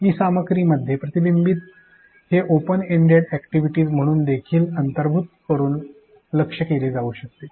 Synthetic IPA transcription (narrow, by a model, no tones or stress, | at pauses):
ɦiːsaməkɾiːməd̪ʱjepɾət̪ibimbiːt̪̚ | heʔopəneɳɖeɽækʈiʋiʈiːd͡zm̤əɽ̃uːnd̪ekʰiːlənt̪əɾbʱut̪̚kəɾuːn | ləkʂəkeɾed͡zauːɕək̚t̪e